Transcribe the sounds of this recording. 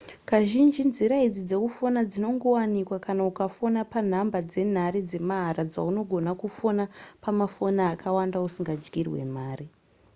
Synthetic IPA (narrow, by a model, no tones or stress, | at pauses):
kaʒind͡ʒinziɾaid͡zid͡zekufonad͡zino̞ŋɡo̞wanikwakanaukafo̞napan̤ambad͡ze̞n̤aɾid͡ze̞maɦaɾad͡zauno̞ɡʱo̞nakufonapamafo̞naːkʰawandausiŋɡad͡ʒɡirwe̞̰maːri